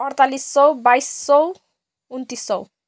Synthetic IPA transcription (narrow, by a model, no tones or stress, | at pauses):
ʌɾt̪alisːɔwbajsːɔw | unt̪ist͡sɔw